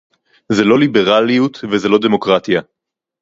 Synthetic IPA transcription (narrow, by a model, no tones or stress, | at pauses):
zelo̞libe̞ʁalijut̪vezelo̞d̪e̞mo̞kʁat̪ija